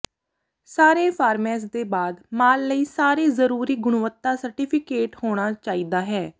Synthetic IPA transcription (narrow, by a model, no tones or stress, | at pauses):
saːɾeːpʰaːɾmɛːs̬d̪eːbaːd̪maːlləiːsaːɾeːzəɾuːɾiːɡʊɽ̃ʊʋət̪ːaːsəɾʈiːpʰɪkeːʈhoːɽ̃aːt͡ʃaːiːd̪aːɦɛː